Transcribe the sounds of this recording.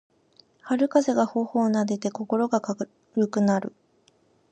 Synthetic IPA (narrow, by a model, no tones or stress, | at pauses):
haɾɯ̟kaze̞ɡaho̞ːhoːnad̪e̞t̪e̞ko̞ko̞ɾo̞ɡaka | ɾɯ̟kɯ̟naɾɯ̟̰